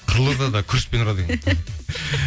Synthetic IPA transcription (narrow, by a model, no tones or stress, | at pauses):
qʰəɾlˠəɾd̪ɑd̪ɑkʲʰʏɾspenɾɑd̪ekʲe